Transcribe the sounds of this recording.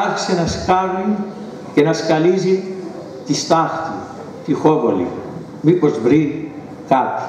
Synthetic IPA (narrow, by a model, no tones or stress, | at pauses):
ɐç̥senɐskɐɾnin | cenɐskɐlizi | t̪ist̪ɐxt̪i | t̪ixovolḭ | mipo̞zvɾin | kɐt̪u̥